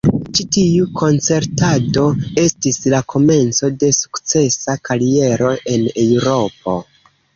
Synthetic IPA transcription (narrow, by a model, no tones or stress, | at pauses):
t͡ʃitiukʰo̞nt͡se̞ɾtado̞e̞stislakʰo̞me̞nt͡so̞de̞su̥kt͡se̞sakaɾie̞ɾo̞ʔe̞newɾo̞p̚o̞̰